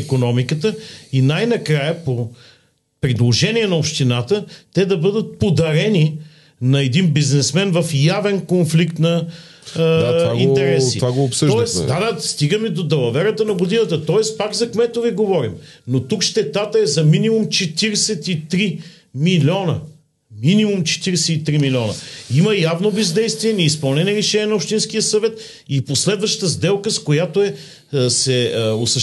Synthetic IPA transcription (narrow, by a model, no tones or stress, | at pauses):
ikonɔmikət̪əinajnɐkɾajəpo | pɾid̪lˠoʒɛniɛnɐopʃt̪inat̪ət̪ɛd̪ɐbɤd̪ət̪̚pod̪ɐɾɛni | nɐɛd̪inbiznɛsmɛnvɐfjavɛnkonflikt̪nɐ | d̪aɡint̪ɛɾɛsḭvaɡoːpsət̪ɔɛsd̪ad̪ast̪iɡəmid̪od̪ɐlˠɐvɛɾət̪ənɐɡod̪inət̪ət̪ɔɛspakzɐkmɛt̪oviɡovɔɾimnot̪ukʃt̪ɛt̪at̪əɛzɐminimumt͡ʃɛt̪iɾɛsɛt̪it̪ɾi | milʲɔnə | minimumt͡ʃɛ̥t̪iɾɛsɛit̪ɾimilʲiɔnə̰iməjavnobɛzd̪ɛjst̪viɛniispɐlˠnɛniɛɾɛʃɛniɛnɐopʃt̪insk̟ijəsɐvɛt̪ | iposlɛd̪vɐʃt̪ə̥t̪əzd̪ɛlˠkəskojat̪oɛ | sɛəosɐʃ